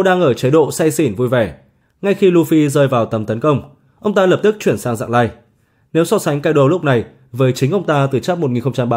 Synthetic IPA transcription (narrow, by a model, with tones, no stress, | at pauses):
ɗaː˧ŋʔəː˧˩t͡ɕə˨˦jɗo̰˧˨sa˧jsi˧˩nvu˧jvɛ˧˩ | ŋa˧jxi˧lu˧fi˧zəː˧jvaː˨˩wt̪ə˨˦mt̪ə˨˦nkə˧wŋ͡m | ʔə˧wŋ͡mt̪aː˧ləː˨˩p̚t̪ɨ˦˥k̚t͡ɕwi˧˩ənsaː˧ŋza̰ː˧˨ŋlaː˧j | ne˨˦wsɔ˧˥sa˨˦ŋ̟kaː˧jɗo˧˩lʊ˦˥k͡p̚na˨˩j | vəː˨˦jt͡ɕï˨˦ŋ̟ʔə˧wŋ͡mt̪aː˧t̪ɨ˨˩t͡ɕaː˦˥p̚mo˨˩t̚ŋi˨˩nxə˧ŋ͡mt͡ɕa˧mɓaː˧